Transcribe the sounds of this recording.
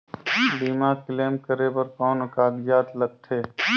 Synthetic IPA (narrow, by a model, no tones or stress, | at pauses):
biːmaːkleːmkəɾepəɾkɔːnəkaːɡ̪ijaːt̪ləɡ̚t̪ʰeː